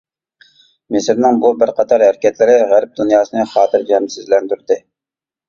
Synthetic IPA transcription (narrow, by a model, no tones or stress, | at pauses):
mɪsɪɾnɪŋbubɪɾqʰɑt̪ʰɑɾhæɾɪkʲɛt̪lɪɾɪʁæɾp̚d̪unjɑːsɨnɨχɑːt̪ʰɨɾd͡ʒɛmsɪzlɛnd̪yɾd̪ɪ